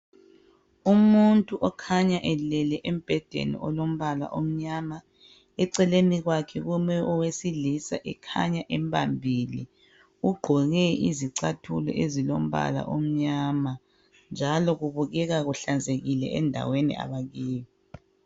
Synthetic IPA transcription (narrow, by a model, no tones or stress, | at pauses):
umuntʼuʔɔkʰaɲaʔɛlɛlɛʔem̩b̥ʱɛd̥ʱḛnḭʔɔlom̩βala̰ʔom̩ɲama | ɛǀɛleniɣwakʰɛɣumɛʔɔwesilisaʔɛkʰa̰ɲaʔɛmpʰambʱili | uɡ͡ǃʱɔɣɛḭziǀatʰulɔ̰ʔezilom̩βa̰la̰ʔom̩ɲaːma | nd͡ʒʱalɔɣuβuɣɛɣaɣuɬand͡zʱeɣilɛ̰ʔɛndʱa̰wenḭa̰βaɣiːji